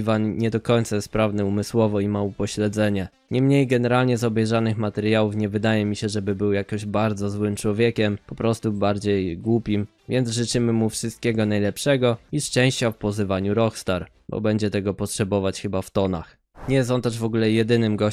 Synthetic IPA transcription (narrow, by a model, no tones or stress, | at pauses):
vanɲɛd̪ɔkɔɲʲt̪sajɛst̪̚pɾavnɘumɘswɔvɔimaupɔɕlɛd̪zɛɲɛ | ɲɛmɲejɡɛnɛɾalɲɛzɔbɛjʐanɘxmat̪ɛɾjawufɲɛvɘd̪ajɛmʲiɕɛʐɛbɘbɘwjakɔʑbaɾd̪zɔzwɘmt͡ʂwɔvʲjɛkʲɛmpɔpɾɔst̪ubaɾd͡ʑejɡwupʲim | vʲjɛnd̪zʐɘt͡ʂɘmɘmufʂɘst̪̚kʲɛɡɔnajlɛpʂɛɡɔiʂt͡ʂɛw̃ɕt͡ɕafpɔzɘvaɲuɾɔxst̪aɾ | bɔ̰bɛɲd͡ʑɛt̪ɛɡɔpɔtʂɛbɔvat͡ɕxɘbaft̪ɔna̰x | ɲɛjɛst̪ɔnt̪ɛʐvɔɡulɛjɛd̪ɘnɘmɡɔ